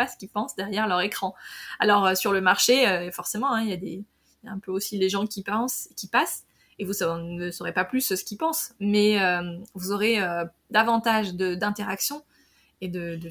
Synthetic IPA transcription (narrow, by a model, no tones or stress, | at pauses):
asə̥kʲipɑ̃sd̪ɛʁjɛʁlœʁekχɑ̃a̰lɔʁøsyʁləmaʁʃeøfɔʁsemɑ̃ɛ̃iljad̪ḛ | ljaɛ̃pøosileʒɑ̃kʲipɑ̃sekʲipas | evusnəsɔʁepaplyssə̥kʲipɑ̃smɛømvuzoʁeø | d̪avɑ̃t̪aʒd̪əd̪ɛ̃t̪eʁaksjɔ̃ | ed̪əd̪ə